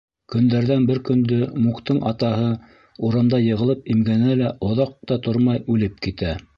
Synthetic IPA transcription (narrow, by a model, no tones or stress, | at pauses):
kɵ̆nd̪æɾðænbɘɾkɵ̆nd̪ɵmukt̪ɤɴʔɑt̪ɑɦɤ | uɾɤ̆md̪ɑjɤ̆ʁɤ̆lˠɤpimɡænælæʔŏðɑq̚t̪ɑt̪oɾmɑjʉlɘp̚kit̪æ